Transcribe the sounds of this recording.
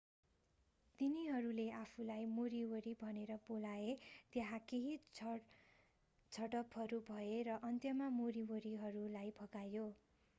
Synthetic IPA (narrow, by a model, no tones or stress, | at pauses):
t̪iniɦʌɾuleapʰulajmoɾiwʌɾibʱʌneɾʌbolaet̪jaɦãkeɦi | t͡sʰʌʈʌpʰɦʌɾubʱʌeɾʌʔʌnt̪jʌmamoɾiwʌɾiɦʌɾulajbʱʌɡajo